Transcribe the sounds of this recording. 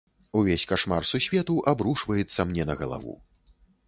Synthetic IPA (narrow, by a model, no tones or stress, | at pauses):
uvʲesʲkaʂmarsusʲvʲɛt̪uʔabɾuʂvɐjɛt̪sːɐmnʲɛnɐɣɐlˠa̰vṵ